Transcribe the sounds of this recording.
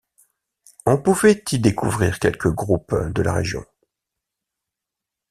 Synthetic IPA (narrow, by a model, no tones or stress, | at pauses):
ɔ̃puvɛt̪id̪ekuvʁiʁkʲɛlkəɡʁupd̪əla̰ʁḛʒjɔ̰̃